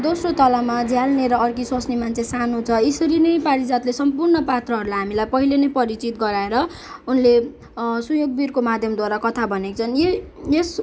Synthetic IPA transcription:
d̪osrot̪ʌlamad͡zjalneɾʌːrkiswʌsnimant͡sʰesanot͡sʰʌisʌɾinʌjpaɾid͡zat̪lesʌmpurnʌpat̪rʌɦʌɾulajɦamilajpʌɦilenʌjpʌɾit͡sit̪̚ɡʌɾaeɾʌ | unle | sujoɡ̚birkomad̪ʱjʌmd̪waɾakʌt̪ʰabʱʌnekt͡sʰʌnjejes

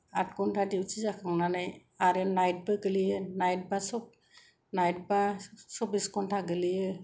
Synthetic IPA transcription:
at̚kɔntʰadiwt͡ʃʰizakʰɯŋnanaj | aɾɯnajt̚bɯɡɯlijɯnajt̚basɔp̚ | najt̚basɔpiskɔntʰaɡɯlijɯ

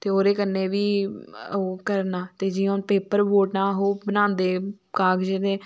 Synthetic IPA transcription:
t̪eːoːɾeːkənːeːʋiːoːkəɾnaːt̪eːd͡ʒɪːõːnpeːpəɾboːʈnãːɦoːbənãːnd̪eː | kaːɡd͡ʒɪd̪eː

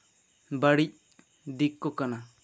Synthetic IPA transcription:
baɽic̚ | d̪ikːɔkana

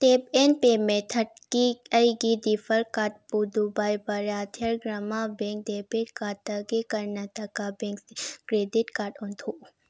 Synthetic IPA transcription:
t̪eːpenpeːmẽt̪ʰɐʈ̚kiɐjiɡid̪ifəɾkaːʈ̚pud̪ubaːjbɐɾaːt̪ʰjɐɾɡɾɐmabẽːŋk̚d̪epeʈkaːt̪ɐɡekɐɾnɐt̪ɐkabẽŋkkɾeːdiʈkaːɾʈũnt̪ʰu

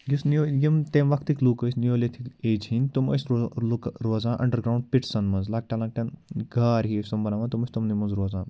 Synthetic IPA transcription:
ɡisnojimt̪eːmʋɐkʰt̪iklukəsʲnijoːlet̪ʰikeːd͡ʒɦinʲt̪uməslukɾoːzãːʔɐ̰̃ɳɖəɾɡɾaːwũɳɖ̚piʈsɐnmɐnzlaːk̚ʈʲalãk̚ʈɐnɡʱaːɾɦiəsʲt̪umbɐnaːʋãt̪umɐsʲt̪umnimũnzɾoːzãː

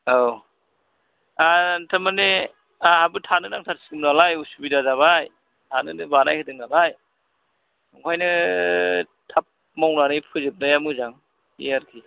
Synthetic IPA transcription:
aw | atʰamane | ahabutʰanɯnaŋtʰaɾsikɯmnalajusubidazaβaj | tʰanɯnɯbanajhʰɯdɯŋnalaj | ɔŋkʰajnɯ | tʰap̚ | mawnanɯjpʰɯzɯp̚najamuzaŋ | ḭaɾkʰi

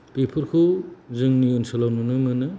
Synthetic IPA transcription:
pepʰɯɾkʰuzɯŋniunsɯlawnunɯmɯnɯ

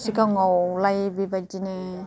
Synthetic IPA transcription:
sikaŋɔwlajbibad͡ʒine

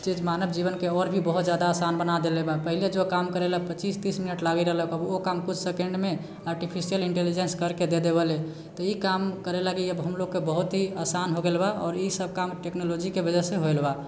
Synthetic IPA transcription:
d͡ʒed͡ʒmanəbd͡ʒiβənkeɔɾbʱibəɦut̪d͡ʒjad̪aːsanbənad̪elebapəɦiled͡ʒokamkəɾeləpət͡ʃist̪isminəʈlaɡiɾəɦləkəbokamkut͡ʃʰsekẽɳɖme | aɾʈipʰisijəliɳʈelid͡ʒenskəɾked̪ed̪eβəle | t̪ɔikamkəɾelaɡiəbɦəmloɡ̚kebəɦut̪ɦiasanɦoɡelbaɔːɾisəb̚kamʈeknolod͡ʒikebəd͡ʒəɾseɦoelba

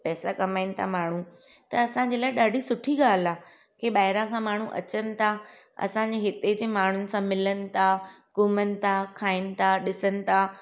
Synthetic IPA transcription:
pɛːsakɐmaːɪnɪ̆t̪ʰamaːɳ̤ũ | t̪ɐɐsãɲd͡ʑeːlaːɪɗaːɖʱisʊʈʰiɠaːl̤aː | keɓaːɪɾãkʰãmaːɳ̤ũʔɐ̰t͡ɕənɪ̆t̪ʰa | ɐ̰sãɲd͡ʑeɦɪt̪ed͡ʑeːmaːɳ̤ʊnɪ̆sãmɪlənɪ̆t̪ʰa | kuːmənɪ̆t̪ʰakʰaːɪnɪ̆t̪ʰaɗɪsənɪ̆t̪ʰa

